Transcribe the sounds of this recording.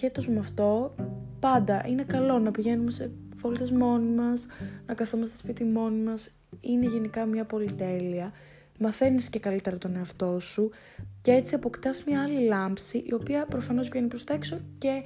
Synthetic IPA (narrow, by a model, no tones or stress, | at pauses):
et̪osumɐft̪o̞pɐnd̪ɐʔinekɐlo̞nɐpiʝe̞nume̞se̞ | volt̪ezmo̞nimɐsnɐkɐθumest̪ospit̪imo̞nimɐs | ine̞ʝe̞nikɐmɲɐpo̞lit̪e̞liɐ | mɐθe̞nisce̞kɐlit̪e̞ɾɐt̪o̞ne̞ɐft̪o̞su | ce̞t͡siɐpo̞kt̪ɐsmɲɐɐlilɐmpsiʔio̞piɐpɾo̞fɐno̞zvʝe̞nipɾo̞st̪oekso̞ce̞